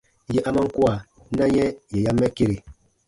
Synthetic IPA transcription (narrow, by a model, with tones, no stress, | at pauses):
jɛ˨ʔa˦ma˦ŋ̩˦ku˦a˨ | na˦jɛ˦jɛ˨ja˦mːɛ˦ke˦˨ɾe˨